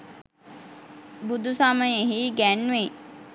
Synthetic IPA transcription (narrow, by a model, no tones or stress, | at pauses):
bud̪usaːməjeɦiɡænʋe